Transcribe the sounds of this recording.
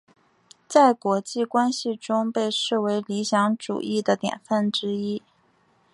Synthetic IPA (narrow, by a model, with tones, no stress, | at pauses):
t͡sa˥˩ɪkwɔ˧˥t͡ɕi˥˩kwa˥nɕi˨ʈ͡ʂʊ˥ŋpe˥˧ɪʂɻ̩˥˩we˧˥ɪli˧˥ɕjɑ˧˥ŋʈ͡ʂṵ˨˩ʔi˥˩d̪ə˩t̪jɛ̰˨˩nfə˥˩nʈ͡ʂɻ̩˥i˥